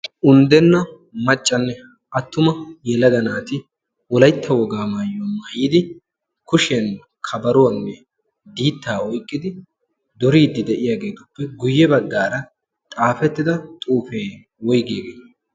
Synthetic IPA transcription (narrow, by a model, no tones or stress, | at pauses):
ʔʊnd̪ɛnːɐ | mɐt͡ʃʼːɐnːɛ | ʔɐt̪ːʊmɐjɛlɐd̪ɐnaːt̪ɪ | wɔlɐjt̪ːɐwɔɡaːmaːjːɔmɐjɪd̪ɪ | kʊʃɛn | kʰɐbɐɾʊwɐnːɛ | d̪iːt̪ːaːɔjkʼːɪd̪ɪ | d̪ɔɾiːd̪ːɪd̪ɛʔɪjaɡe̞ːt̪ʊ̥pːɛɡʊjːɛbɐɡːaːɾɐ | t̪ʼaːfɛt̪ːɪd̪ɐt̪ʼuːfeː | wɔjɡeːɡeːt̪